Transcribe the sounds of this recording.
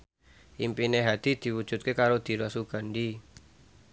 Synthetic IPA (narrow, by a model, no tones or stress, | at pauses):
ʔimpineɦad̪̥i̤d̪̥i̤wud̥ʒ̥ṳt̪̚kekaɾod̪̥i̤ɾasuɡ̥aɳɖi